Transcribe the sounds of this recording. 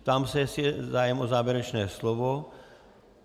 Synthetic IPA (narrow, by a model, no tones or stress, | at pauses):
t̪aːmsɛjɛsɛzaːjɛmʔozaːvjɛɾɛt͡ʃnɛːslovo